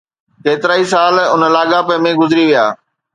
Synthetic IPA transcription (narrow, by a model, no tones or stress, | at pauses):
keːt̪ɪɾaːis̬aːlʊnəlaːɠapəmẽɡʊzɪɾiʋijaː